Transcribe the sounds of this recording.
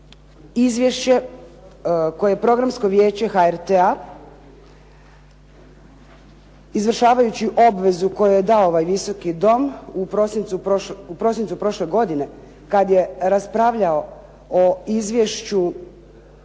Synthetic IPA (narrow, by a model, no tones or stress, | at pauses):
izʋje̞ʃt͡ɕe̞ | ko̞jeepɾo̞ɡɾamsko̞ʋje̞ːt͡ɕe̞xaeɾt̪ea | izʋr̩ʃaːʋajut͡ɕiʔo̞bʋe̞zuko̞jujed̪aooʋajʋiso̞kid̪o̞mupɾosint̪supoupɾo̞sint̪upɾo̞ʃle̞ɡo̞d̪ine̞ | kad̪je̞ɾaspɾaʋʎao̞ | oizʋje̞ʃt͡ɕu